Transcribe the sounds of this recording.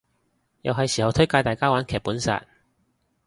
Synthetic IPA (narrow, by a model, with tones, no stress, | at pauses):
jɐ̰˨wɦɐ˨jsiː˨˩hɐ˨˧wt̪ʰɵ˥jkaː˧jt̪aː˨jkaː˥waː˨˥nkʰɛː˨˩puː˨˥nsa̰ː˨˧t̚